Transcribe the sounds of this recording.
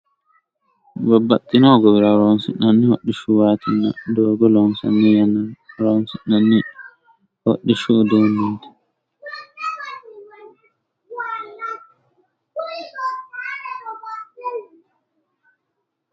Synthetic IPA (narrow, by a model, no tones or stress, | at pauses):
babːatʼːinɔɡɔbiɾaɾɔnsḭnːanːihoɗːiʃuwatʰina̰dɔːɡɔlɔnsa̰nːijanaɾɔnsinanːi | ho̰ɗːiʃudɛnindɛ̥